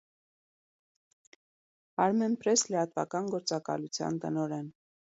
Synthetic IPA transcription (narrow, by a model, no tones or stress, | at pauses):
ɑɾmɛnpɾɛslɛɑt̪vɑ̰kɑnɡɔɾt͡sɑkɑ̰lut͡sʰjɑ̰nt̪ənɔɾɛn